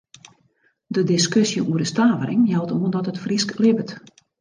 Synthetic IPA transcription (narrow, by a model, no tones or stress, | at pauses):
dədɪskøsjəʔuəɾəstaːvəɾʔɪ̰ŋjɛlˠtuəndɔtətfrisklɪbət